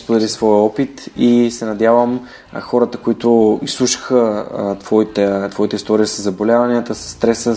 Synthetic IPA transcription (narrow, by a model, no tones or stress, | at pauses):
spod̪ɛlisvɔjəɔpit̪isɛnɐd̪ʲjavəm | xɔɾət̪əkʊit̪ʊislˠuʃi̥xət̪v̥ɔit̪ɛt̪vɔit̪əist̪ɔɾiəsəzːɐbolʲavɐniət̪əsɐ̥sːt̪ɾɛsə